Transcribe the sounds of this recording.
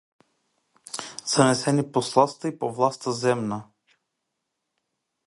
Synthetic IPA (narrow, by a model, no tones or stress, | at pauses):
z̥anɛsɛniposlˠast̪əipovlˠast̪əzɛmna